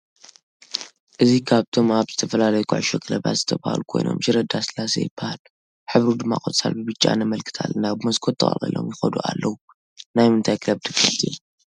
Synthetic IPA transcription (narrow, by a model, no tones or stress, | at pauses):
ʔɨzikʰaβt̪ʰo̞maβzɨt̪ʰɐfɐlalɐjukʰṵʕɨʃokʰɨlɐβa̰t̪z̥ɨt̪ʰɐβa̰ha̰lukʰo̞jno̰mʃɨɾɐd̪asɨlasḛjɪbːahal | ħɨβɾud̪ɨmːa̰kʼot̪sa̰lbɨbɨt͡ʃʼːa̰nɐmɐlkʰɨ̥t̪ʰa̰lːɨnabɨmɐskʰo̞t̪ʰːɐχʼɐ̰lʼḭlo̞̰mjɪxɐd̪uʔalːɐwu | najmɨnt̪ʰajkʰɨlɐbd̪ɨkːɨt̪ʼḭ